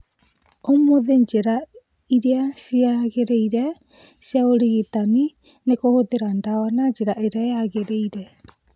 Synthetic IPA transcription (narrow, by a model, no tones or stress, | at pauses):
omoðeɲd͡ʒeɾa | iɾeasiaɣeɾeiɾɛ | sjaoɾiɣitani | nekohoðeɾandawanaɲd͡ʒeɾaeɾeajaɣeɾeiɾɛ